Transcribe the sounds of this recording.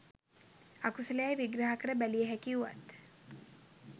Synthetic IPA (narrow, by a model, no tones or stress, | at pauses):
akusələjajʋiɡɾaɦakəɾəbælijəɦækiuʋa̰t̪